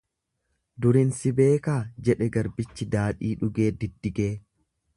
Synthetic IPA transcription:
d̪ʊɾɪnsɪbe̞ːkaːd͡ʒɛᶑɛɡɐɾbɪt͡ʃːɪd̪aːᶑiːᶑʊɡe̞ːd̪ɪd̪ːɪɡeː

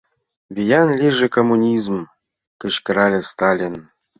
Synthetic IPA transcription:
vʲijɑnlʲiʐɘ̆komːunʲizm | kɘ̆ɕkɘ̆ɾɑlʲɘ̆st̪ɑlʲin

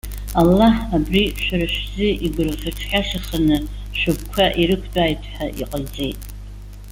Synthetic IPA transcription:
alːaħabriʃʷᶣaɾaʃᶣzɨiɡʷɨrχʲaʈ͡ʂʰħʲᶣaʂaχanɨ | ʃʷᶣʊbkʷʰaʔiɾɨkʷʰdʼaːjpʰħᶣaʔiqʼazd͡ze̞jtʼ

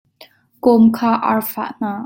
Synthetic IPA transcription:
komkʰaʔa̰ɹfa̰ʔna

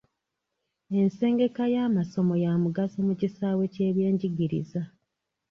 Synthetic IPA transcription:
e̞nse̞ːŋɡe̞kajaːmaso̞mo̞jamuɡazomucisaːwe̞ce̞ːβje̞ːɲɟiɡiɾḭza

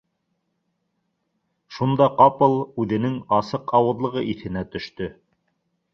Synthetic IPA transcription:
ʃund̪ɑqɑpɤlˠʉðɘ̆nɘŋɑsɤqɑwɤ̆ðlˠɤ̆ʁɤʔiθɘ̆næt̪ɵ̆ʃt̪ɵ

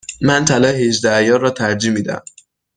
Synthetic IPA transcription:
mænt̪ʰælɒːeɦeʒd̪æjɒːrɒːt̪ʰæɾd͡ʒiːmiːd̪æ̰m

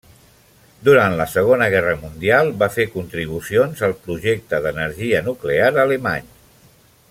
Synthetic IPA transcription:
d̪uɾant̪ləsəɣ̞onəɣ̞ɛrəmund̪ialˠβafekunt̪ɾiβ̞usionzəlˠpɾuʒek̚t̪əðənəɾʒiənukleaɾəlema̰ɲ

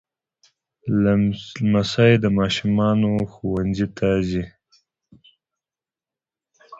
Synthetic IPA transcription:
lmasajd̪əmɑːʃumɑnoxuwanzit̪ʰazi

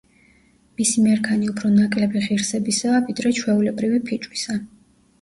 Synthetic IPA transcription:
misimiɛɾkʰaniupʰɾɔnakʼlɛbiʁiɾsɛbisaːvid̪ɾɛt͡ʃʰwɛulɛbɾivipʰit͡ʃʼwisa

